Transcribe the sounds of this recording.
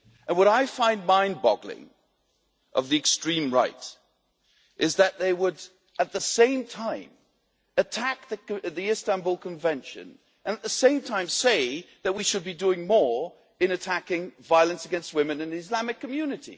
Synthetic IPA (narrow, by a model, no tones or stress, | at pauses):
ə̃nwʌɾaɪfãɪ̃nmãɪ̃nbɑ̰ɡlɪ̰̃ŋ | ʔʌ̰vðiɨkstɹ̥ĩmɹaɪɾ | ʔɨzðɨt̪̚ðeɪwəɾ | ɨt̪̚ðəsẽɪ̃mtʰãɪ̃m | ɨtʰæk̚ðɨðiɪstæ̃nbulˠkʰə̃ɱvɛ̃nʃɨ̰̃n | ɨ̃nət̪̚ðəsẽɪ̃mtʰãɪ̃mseɪðɨt̚wiʃɨd̚bidʉɪ̃ŋmɔɹ | ɨ̃nɨtʰækɪ̃ŋvaɪlˠɨ̃nsɨɡɛ̃nst̚wɪ̃mɨ̃nɨ̃nɨzlæmɨkʰːɨmjʉnɨɾḭ